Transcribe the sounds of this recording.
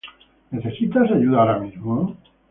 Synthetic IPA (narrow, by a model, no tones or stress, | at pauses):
ne̞θe̞sit̪asaʝuðaaɾamizmono